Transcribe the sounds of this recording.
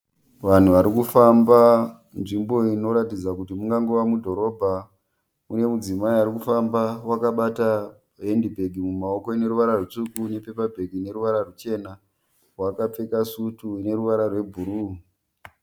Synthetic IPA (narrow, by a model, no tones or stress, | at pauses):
ʋan̤uʋaɾikufamba | nʐimbo̞ino̞ɾatid͡zakutimuŋɡaŋɡoʋamudʱo̞ɾo̞bʱa | une̞mud͡zimaiaɾikufambawakaɓata | ɦendibʱeɡʱimumao̞ko̞ine̞ɾuʋaɾarut͡ʂukune̞pe̞pabʱeɡʱine̞ɾuʋaɾarut͡ʃe̞na | rwakap͡fe̞kasutune̞ɾuʋaɾarwe̞bʱuɾuː